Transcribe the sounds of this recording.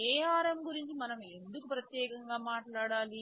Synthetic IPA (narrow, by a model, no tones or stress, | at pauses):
ɛːaːɾemɡuɾiɲt͡ʃimɐnɐme̞nd̪ukupɾɐt̪jɛːkɐŋɡaːmaːʈɭaːɽaːli